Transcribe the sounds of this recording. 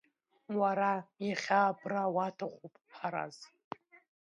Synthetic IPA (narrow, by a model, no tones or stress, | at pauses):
waɾajaχʲaːbʰrawatʰaχʷupʼpʰaɾa̰z